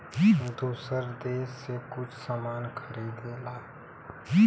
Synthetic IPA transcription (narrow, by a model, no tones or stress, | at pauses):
d̪usəɾd̪eːsːekʊt͡ʃʰsamaːnkʰəɾiːd̪eːlaː